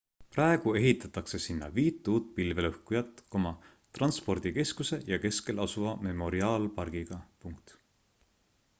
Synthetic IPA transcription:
prɑeɡ̥ue̞ɦit̪ːˑɑt̪ˑɑkse̞sinːɑ̰viːt̪ːˑuːt̪̚pilve̞lɤhkujɑt̪ːˑko̞mɑ | t̪rɑnspo̞rd̪̥ike̞skuse̞jɑke̞ske̞lɑsuvɑme̞mo̞ɾiɑːlpɑrɡ̥iɡ̥ɑpuŋkt̪

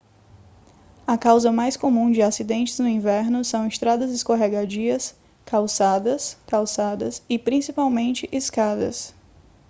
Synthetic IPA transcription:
ɐkawzɐmajskomũd͡ʒɪasid̪ẽnt͡ʃɪznʊĩvɛɾnʊsɐ̃w̃ɪst̪ɾad̪ɐzɪskoɦeɡad͡ʒiɐs | kawsad̪ɐskawsad̪ɐsɪpɾĩsipawmẽnt͡ʃɪʔiskad̪ɐ̰s

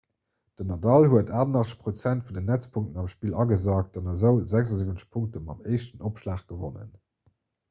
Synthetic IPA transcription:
d̥ənɑdɑlhuətʰaːnɑχt͡sə̥ʃpʁot͡sæntfundənːæt͡spʰuŋktənɑmʃpiːlɑɡəzaːk̚t̚d̥ɑnɑzəʊzæɡzɑzivənt͡sə̥ʃpʰuŋk̚təmɑ̰məɪʃtənʔopʃlaːχɡ̥əvo̰nə̰n

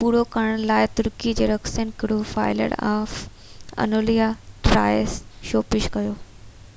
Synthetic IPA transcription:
puːɾokɐɽɽ̃laːɪt̪ʊɾkid͡ʑeːɾɐksənkɪɽofaːɪlə̰ɽaːf | ɐ̰noːlijaʈɾa̰ːjsʃoːpɪʃkɐjoː

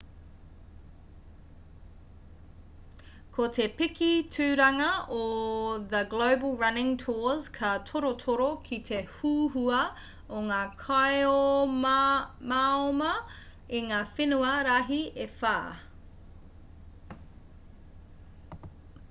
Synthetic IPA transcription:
kʰotepɪkitʰʉːɾɐŋɐoðəɡloʊbəlˠɹɐnɪ̃ŋtʰɔz̥kʰɐtʰoɾotʰoɾokʰitʰehuːɦuɐ | oŋaːkʰaeo | maomɐ | iŋaːfenuɐɾaɦiefaː

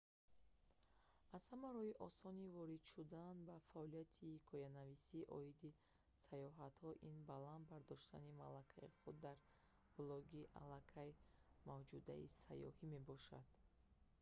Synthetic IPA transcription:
az̥hamaɾɔhiʔɔsɔnivɔɾid̪ʃud̪anbafaɔlijat̪ʰikʰɔjanavisiʔɔ̰id̪i | sajɔɦat̪hɔʔinbaland̪baɾd̪ɔʃt̪a̰nima̰lakʰaiχud̪ːaɾ | b̥lɔɡiʔa̰lakʰajmavd͡ʒud̪a̰ḭsa̰jɔ̰hime̞bɔʃa̰d̪̥

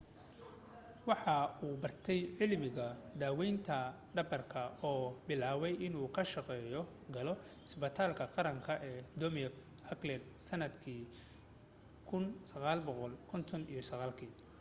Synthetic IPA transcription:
wɑħɑuːbɐrt̪ʰɛjʕɪlmɪɣɐd̪aːwɛjnt̪ʰɐ | ɖɐbɐrkʰɐɔːbɪlaːwɛjʔɪnuːkʰɐʃɑqɛːjɔ | ɡɐlɔ | ɪsbɐt̪ʰaːlkʰɐqɑɾɐŋkʰɐʔɛːd̪ɔmk | hɐklɛnsɐnɐd̪kʰiː | kʰʊnsɐɣaːlbɔqɔlkʰɔnt̪ʰɔnḭjɔsɐɣaːlkʰiː

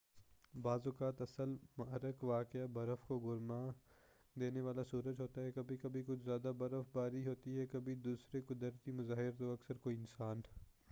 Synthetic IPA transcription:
baːzʊkaːt̪ɐsəlmɐɾəkʋaːkɪabɐɾəfkoɡʊɾmaː | d̪eːneʋaːlasuːɾəd͡ʒɦoːt̪aɦɛkɐbʱikɐbʱikʊt͡ʃʰzjaːd̪abɐɾəfbaːɾiɦoːt̪iɦɛkɐbʱid̪uːsɾekʊd̪əɾt̪imʊzaːɦɪɾt̪oɐksəɾkoːiɪnsaːn

